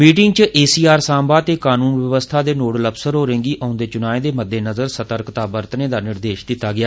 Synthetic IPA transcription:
miːʈɪŋɡ̚t͡ʃəʔeːsiːaːɾsãːbaːt̪eːkaːnuːnʋjəʋəst̪ʰaːd̪eːnoːɽləpsəɾɦoːɾẽːŋɡiːʔaːʊnd̪eːt͡ʃʊnaːẽːd̪eːməd̪ːeːnəzəɾsət̪əɾkt̪aːbəɾt̪nẽːd̪aːnɪɾd̪eːʃd̪ɪt̪ːaːɡɪaː

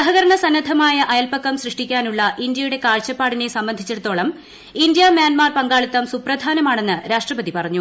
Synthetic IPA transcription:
sɐɦɐɣɐɾɐɳɐsɐnːɐd̪ʱɐmaːjɐʔɐjɐlpɐkːɐmɕrɨʂʈikʲːaːnuɭːɐʔind̪jɐjuɽe̞kaːɻt͡ɕːɐpːaːɽine̞sɐmbɐnd̪ʱit͡ɕːeɽut̪ːo̞ːɭɐm | ind̪jɐmjaːnmaːrpɐŋɡaːɭit̪ːɐmsuprɐd̪ʱaːnɐmaːɳe̞nːɨɾaːʂʈrɐpɐðipɐrɐɲːu

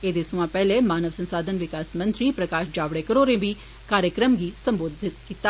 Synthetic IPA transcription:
eːd̪eːsʊãːpɛːleːmaːnəʋsə̃nsaːd̪ʱənʋɪkaːsmə̃nt̪ɾiːpɾəkaːʃd͡ʒaːʋɽeːkəɾoːɾẽːbiː | kaːɾjəkɾəmɡiːsə̃mboːd̪ʱɪt̪kiːt̪aː

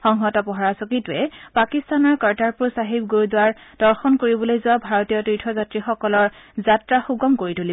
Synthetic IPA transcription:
xɔŋɦɔtɔpɔɦɔɹasɔkitʊɛpakistanɔɹkaɹtaɹpuɹsaɦib̚ɡuɹdʊwaɹd̥ɔɹxɔnkoɹibɔlojzʊabʱaɹɔtijɔtɹitʰɔzatɹixɔkɔlɔɹzatɹaxuɡɔmkoɹituli

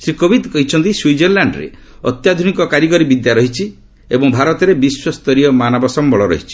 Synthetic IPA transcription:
sɾikobʱid̪kɔɦit͡ʃʰɔnt̪iswid͡ʒɔɾlaɳɖɾḛ | ɔ̰t̪jad̪ʱunikɔkaɾiɡɔɾibid̪jaɾɔɦit͡ʃʰi | ebɔŋbʱaɾɔt̪ɔɾebiswɔst̪ɔɾiɔmanɔbɔsɔmbɔɭɔɾɔ̰ɦit͡ʃʰi̥

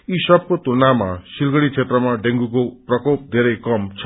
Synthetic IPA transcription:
isʌb̚kot̪unamasilɡʌɽit͡sʰet̪rʌmaɖeŋɡukoprʌkop̚d̪ʱeɾʌjkʌmt͡sʰʌ

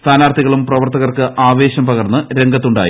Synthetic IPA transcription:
st̪ʰaːnaːrt̪ʰiɣɐɭumprɐʋɐrt̪ɐɣɐrkɨʔaːʋe̞ːɕɐmpɐɣɐrnːɨɾe̞ŋɡɐt̪ːuɳɖa̰ːji

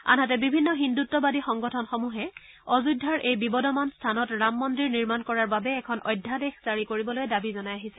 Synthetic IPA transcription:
a̰nɦatɛbibʱinːɔɦindutːɔbadixɔŋɡɔtʰɔnxɔmuɦɛ | ɔzudʱaɹʔejbibɔdɔmanstʰanɔtɹamːɔndɹiɹniɹmankɔɹaɹbabɛːkʰɔnʔɔjdʱːadexz̥aɹikoɹibɔlojdabizɔnajaɦisɛ

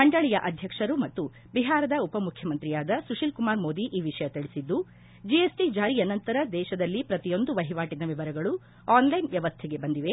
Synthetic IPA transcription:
mɐɳɖɐɭijɐʔɐd̪ʱjɐkʂɐɾumɐt̪ːu | biɦaːɾɐd̪ɐupɐmukʰjɐmɐnt̪ɾijaːd̪ɐsuʂilkumaːɾmo̞ːd̪iʔiːʋiʂɐjɐt̪iɭisid̪ːu | d͡ʒijesʈid͡ʒaːɾijɐnɐnt̪ɐɾɐd̪ɛːʃɐd̪ɐlːipɾɐt̪ijo̞nd̪uʋɐɦiʋaːʈid̪ɐʋiʋɐɾɐɡɐɭu | aːnlɐjnʋjɐʋɐst̪ʰɛɡe̞bɐnd̪iʋe̞

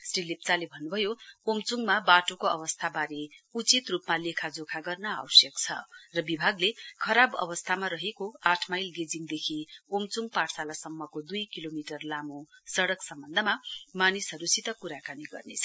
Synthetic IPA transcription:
srilip̚t͡salebʱʌnːubʱʌjoomt͡suŋɡmabaʈokoʌ̰βʌst̪ʰabaɾeut͡sit̪rupmalekʰad͡zokʰaɡʌrnʌa̰wʌsjʌkt͡sʰʌ̰rʌbibʱaɡlekʰʌɾabʌ̰bʌst̪ʰamaɾʌɦekoaʈʰmajlɡed͡ziŋd̪ekʰiomt͡suŋɡpaɽsalasʌmːʌkod̪ujkilomiʈʌrlamosʌɽʌksʌmbʌnd̪ʱʌmamanisɦʌɾusit̪ʌkuɾakaniɡʌ̰rnḛt͡sʰʌ

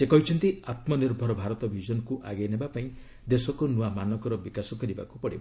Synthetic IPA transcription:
sekɔɦit͡ʃʰɔnt̪iat̪mɔniɾbʱɔɾɔbʱaɾɔt̪ɔbʱid͡ʒɔnɔkuʔaɡejnebapaĩ | d̪esɔkonuamanɔkɔɾɔbikasɔkɔɾiba̰kupɔɽḭba

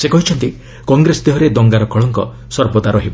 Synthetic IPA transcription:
sekɔɦit͡ʃʰɔnt̪i | kɔŋɡɾesɔd̪eɦɔɾed̪ɔŋɡaɾɔkɔɭɔŋkɔ̰ | sɔɾbɔt̪aɾɔɦibɔ

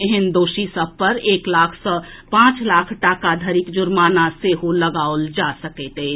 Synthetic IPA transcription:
eɦɛnd̪oːʃisəb̚ʱpəɾeːklaːkʰsɔpãːt͡ʃlaːkʰʈakad̪ʱəɾikd͡ʒʊɾmaːnaseɦoləɡaːold͡ʒasəkɛt̪ɦe

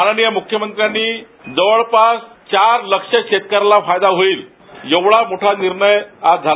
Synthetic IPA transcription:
mananijamukʰjəmənt̪ɾjanːiː | d͡zəʋəɭpast͡ɕaɾləkʂəɕet̪̚kəɾlafajd̪aɦoiːl | jeʋɭamoʈʰaniɾɳəjad͡zʱa

